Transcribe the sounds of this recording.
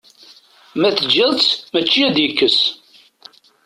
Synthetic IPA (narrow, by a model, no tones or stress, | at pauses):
mæθəd͡ʒəðˤt͡smət͡ʃːiæd̪jəkːəs